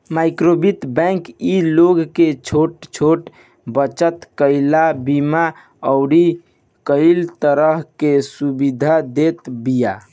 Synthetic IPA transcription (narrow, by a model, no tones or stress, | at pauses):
maɪkɾobit̪bɛ̃ŋkiloɡket͡ʃʰoʈt͡ʃʰoʈ | bət͡ʃət̪kəɪlabima | əʊɾi | kəɪlt̪əɾəɦkesubid̪ʱad̪et̪bija